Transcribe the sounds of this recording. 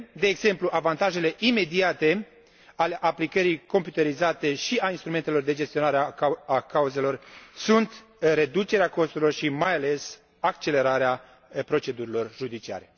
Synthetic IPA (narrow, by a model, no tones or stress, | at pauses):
d̪e̞ːɡz̥e̞mpluʔavant̪aʒe̞le̞ʔime̞d̪iat̪e̞ | ale̞ʔaplikəɾijko̞mpjut̪eɾizat̪e̞ʃiainst̪ɾument̪elo̞rd̪e̞d͡ʒe̞st̪io̞naɾeakauze̞lo̞rsunt̪ | ɾe̞d̪ut͡ʃe̞ɾeako̞st̪uɾilo̞rʃimajale̞s | akt͡ʃe̞le̞ɾaɾea | pɾo̞t͡ʃe̞d̪uɾilo̞rʒud̪it͡ʃia̰ɾe̞